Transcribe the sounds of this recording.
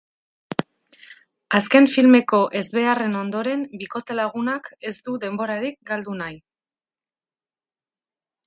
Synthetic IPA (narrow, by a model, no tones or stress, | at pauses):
aske̞ɱfilme̞ko̞ʔe̞zβe̞are̞no̞nd̪o̞ɾe̞mbiko̞t̪e̞laɣ̞unake̞zd̪uðe̞mbo̞ɾaɾik̚ɡald̪unaj